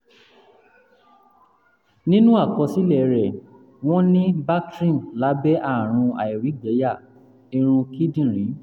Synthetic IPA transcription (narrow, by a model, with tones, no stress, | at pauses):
nĩ˦nũ˦a˦˨kɔ̃˧si˦lɛ˨˧ɾɛ˨ | w̃ɔ̃˦nĩ˦ba˦tɾĩ˦˨nla˨˦bɛ˦ʔa˦˨ɾ̃ũ˧a̰˨i˨ɾi˨˦ɡɛ˨˦ja˦˨ | i˧ɾ̃ũ˧ki˦dĩ˦˨ɾ̃ĩ˨˦